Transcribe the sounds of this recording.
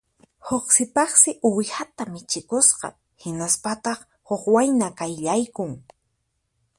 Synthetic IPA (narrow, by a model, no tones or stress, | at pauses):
hoχsɪpɑχsɪʔʊwhat̪amɪt͡ʃɪkosqɑ̰ | hɪnaspat̪ɑχ | hoχwajnakajʎajkʊŋ